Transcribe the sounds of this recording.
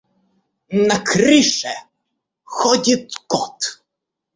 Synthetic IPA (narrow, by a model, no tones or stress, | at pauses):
nakɾɨʂɛ | xɔd͡ʑʲit̪kɔt̪